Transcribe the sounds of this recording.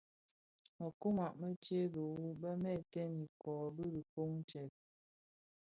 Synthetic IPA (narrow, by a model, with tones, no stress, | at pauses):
mə˨ku˦ma˨ʔmə˦t͡ʃe˦do˨wu˦bə˦mɛ˦˨tɛ˦ni˨kɔː˨bi˦di˨ko˦ŋ˦t͡ʃɛ˨t̚